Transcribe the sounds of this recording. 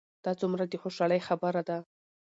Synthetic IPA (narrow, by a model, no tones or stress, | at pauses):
d̪̥ɑt͡sumɾad̪əxoʃɑləjxabəɾad̪a